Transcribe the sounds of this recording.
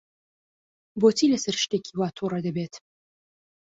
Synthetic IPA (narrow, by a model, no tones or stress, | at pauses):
boːt̪ʰilɐsɐɾʃt̪eːkʰiwaːt̪ʰorɐd̪ɐbet̪